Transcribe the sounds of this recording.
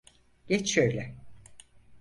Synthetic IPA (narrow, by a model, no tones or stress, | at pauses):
ɟ̥ɛt͡ʃʃøjlʲɛ